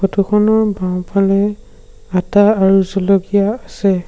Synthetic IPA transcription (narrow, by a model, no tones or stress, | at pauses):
kɔtʰukʰɔnɔɹbãw̃pʰalɛ | ataːɹuzɔlɔɡijaːsɛ